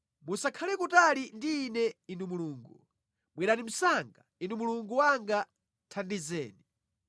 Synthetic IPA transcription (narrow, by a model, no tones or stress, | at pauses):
musakʰalɛkutalindiːnɛinumuluːŋɡu | mwɛɾatim̩saŋɡainumuluŋɡuwaŋɡa | tʰandizɛ̰ːni